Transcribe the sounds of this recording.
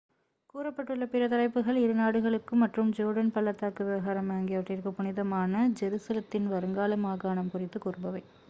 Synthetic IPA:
kuːɾɐpːɐʈːɯɭːɐpɪɾɐt̪ɐɾɐɪpːɯɣɐɭɪɾɯnaːɽɯɣɐɭɯkːɯmɐʈrɯmd͡ʒoːɽɐnpɐlːɐt̪ːaːkːɯʋɪʋɐɣaːɾɐmaːŋɡɪjɐʋɐʈːrɪɾɯkːɯpʊnɪðɐmaːnɐd͡ʒɛɾɯsɐlɐt̪ːɪnʋɐɾɯŋɡaːlɐmaːɣaːɳɐmkʊrɪt̪ːɯkʊrɯbɐʋɐɪ

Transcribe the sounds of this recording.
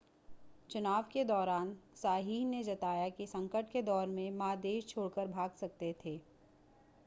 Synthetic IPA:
t͡ʃʊnaːʋked̪ɔːɾaːnsaːɦiːɦned͡ʒɐt̪aːjakisɐ̃ŋkəʈked̪ɔːɾmẽmaːd̪eːʃt͡ʃʰoːɽkəɾbʱaːɡsɐk̚t̪et̪ʰeː

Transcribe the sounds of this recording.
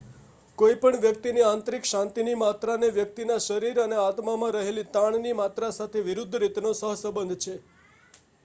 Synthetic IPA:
koipəɳʋjək̚t̪iniãnt̪ɾikʃãnt̪inimat̪ɾaneʋjək̚t̪inaʃəɾiɾəneat̪mamãɾəɦelit̪aɳnimat̪ɾasat̪ʰeʋiɾud̪ʱːɾit̪nosəɦsəbənd̪ʱt͡ʃʰe

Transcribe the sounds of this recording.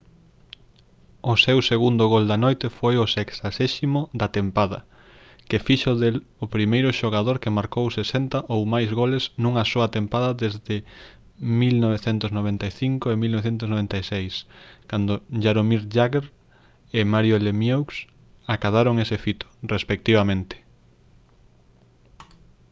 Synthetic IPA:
ʊsewseɣund̪ʊɣold̪anojt̪eɪfojʊseksaseʃimʊd̪at̪empaðɐ | kɪfiʃʊðelʊpɾimejɾʊʃoɣ̞aðoɾkemaɾkowsesent̪ɐʔowmajzɣoleznũŋɐsoɐt̪empaðɐðezðɪ | milnoβ̞eθent̪ʊznoβ̞ent̪ajθiŋkoemilnoβeθ̬ent̪̬ʊsnoβent̪ajsejskand̪oʝaɾomiɾʎaɣeɾ | emaɾjolemjowks | akaðaɾoŋesefit̪o̥respek̚t̪iβamẽnt̪e̥

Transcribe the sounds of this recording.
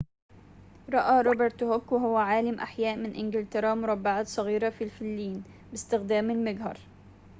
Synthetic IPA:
ɾˤɑʔaːɾˤobeɾt̪hokwɪɦʊwːæʕaːlamʔa̰ħjæːʔmɪnʔɪnɡɪlt̪ɪɾˤɑːmʊɾˤɑbːaʕaːt̪sˤɑɣiːɾɑfilfɪlːiːn | bɪst̪ɪxd̪æːmɪlmɪɡɦɑ̰ɾˤ

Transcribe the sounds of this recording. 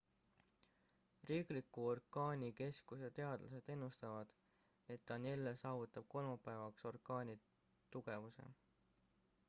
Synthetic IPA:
riːklikːˑuo̞rkɑːnʲike̞skusɑt̪e̞ɑd̪̥lɑse̞d̪̥e̞nːust̪ɑvɑd̪̥ | e̞t̪ːɑnelːesɑːvut̪ːˑɑb̥̚ko̞lmɑpːˑæevɑkso̞rkɑːnʲi | t̪uɡ̥e̞vuse̞̰

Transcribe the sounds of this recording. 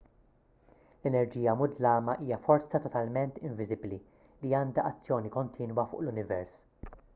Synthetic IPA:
lɛnɛɾd͡ʒiːjɐmʊd̪lɐːmɐʔiːjɐfɔɾt͡sɐt̪ɔt̪ɐlmɛnt̪ɪɱvɪzɪbli | liɐːnd̪ɐʔɐt͡sːjɔːnikɔnt̪ʰiːnwɐfʊ̰ːʔlʊnɪvɛɾs

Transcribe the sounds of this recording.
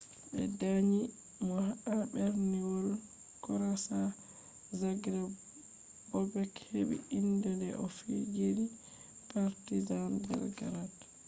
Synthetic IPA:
ɓɛ̰daɲi | mɔhaʔaɓɛɾniwɔl | kɔɾasa | zaɡɾa | bɔbɛkheɓḭindɔndɛʔɔfiɡeli | paɾtizandɛ̰ɾɡa̰ɾat

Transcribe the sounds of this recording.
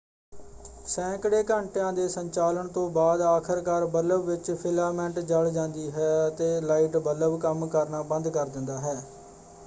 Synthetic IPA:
sɛ̃ːkəɽeːkəɳʈjãːd̪eːsəɲt͡ʃaːləɳt̪õːbaːd̪aːkʰəɾkaːɾbələbʋɪt͡ʃpʰɪlaːmɛ̃ɳʈd͡ʒəɭd͡ʒãːnd̪iːɦɛːət̪eːlaːiːʈbələbkəmkəɾnaːbə̃nd̪kəɾd̪ɪ̃nd̪aːɦɛː

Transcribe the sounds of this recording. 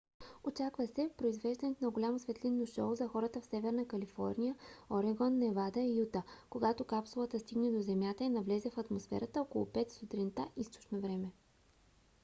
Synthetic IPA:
ot͡ʃakvəsɛpɾoizvɛʒd̪ɐnɛt̪ʊnɐɡolʲamosvɛt̪linːoʃɔzɐxɔɾət̪əfsɛvɛɾnəkɐlifɔ̰ɾnʲijəoɾɛɡɔnːɛvad̪ɐiut̪əkoɡat̪okapsʊlˠət̪əst̪iɡnɛd̪ozɛmjat̪əinɐvlɛzɛfɐt̪mosfɛ̰ɾət̪əɔko̰lˠo̰pɛt̪st̪ot̪ɾint̪aʔist̪o̥t͡ʃnovɾɛmɛ

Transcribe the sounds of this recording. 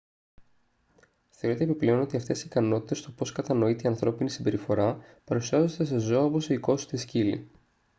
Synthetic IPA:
θeoɾet̪eːpiple̞o̞no̞t̪iɐft̪e̞sikɐno̞t̪i̥t̪est̪o̞po̞skɐt̪ɐno̞it̪eiɐnθɾo̞pinisimbe̞ɾifo̞ɾɐpɐɾusiɐzo̞d̪esezo̞ɐopo̞seiko̞si̥t̪iscilḭ

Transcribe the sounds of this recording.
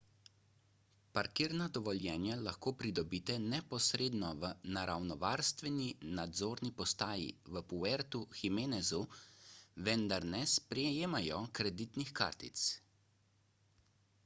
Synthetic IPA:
paɾkiːɾnad̪ɔʋɔljɛːnjalaxkoːpɾid̪ɔbiːt̪ɛnɛpɔsɾeːd̪nɔʋənaɾawnɔʋaːɾst̪ʋɛninad̪zoːɾnipɔst̪aːjḭʋəpuɛɾt̪uximeːnɛzu | ʋɛnd̪aɾnɛspɾɛejeːmajɔkɾɛd̪it̪nixka̰ːɾt̪ḭt̪s

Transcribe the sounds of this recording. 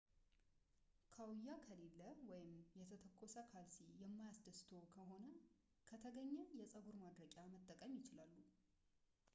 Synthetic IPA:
kʰəwjːakʰəle̞lːəwɔjɪmjɛt̪ʰət̪ʰəkʼːo̞səkʰalsijɛmːajasd̪əst̪ʰo̞kʰəɦo̞nə | kʰət̪ʰəɡəɲːəjɛsʼəɡuɾmad̪ɾət͡ʃʼamət̪ʼːəkʼəmjɪt͡ʃɪlalːu

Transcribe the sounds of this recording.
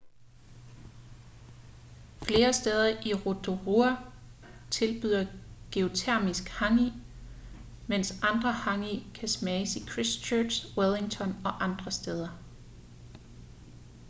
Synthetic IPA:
fle̝ːɐsd̥eð̞ˠɐʔiʁod̥ʰo̝ʁuæ | t͡sʰe̝lb̥yðˠɐɡ̥e̝o̝t͡sʰeɐ̰misɡ̥hɑ̈ŋi | men̰sɑ̈nd̥ʁɐhɑ̈ŋikʰæsmɛːsikʰʁist͡ɕʰøːswelˠiŋt͡sʰɒ̽nɒ̽ʔɑ̈nd̥ʁɐsd̥eð̞ˠɐ

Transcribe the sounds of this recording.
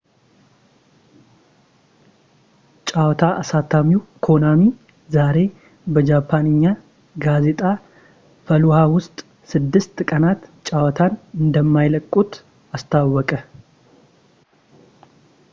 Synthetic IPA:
t͡ʃʼawɔt̪ʰaʔːsat̪ʰːamiwkʰo̞nami | zaɾe̞ | bəd͡ʒapʰːanɨɲːa | ɡaze̞t̪ʼa | fəluhawʊst̪ʼ | sɨd̪ːɨst̪kʼənat̪t͡ʃʼawɔt̪ʰanɨnd̪əmːajləkʼːut̪ | ast̪ʰawːɔkʼə

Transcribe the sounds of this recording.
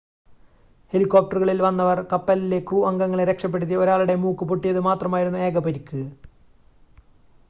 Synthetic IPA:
he̞likːoːp̚ʈɐrɨɣɐɭilʋɐnːɐʋɐrkɐpːɐlile̞kruːɐŋɡɐŋːɐɭeɾekʂɐp̬ːeɽut̪̬ːio̞ɾaːɭuɽe̞muːkːɨpoʈːijɐðɨmaːt̪rɐmaːjiɾunːue̞ːɡɐpeɾikːɨ

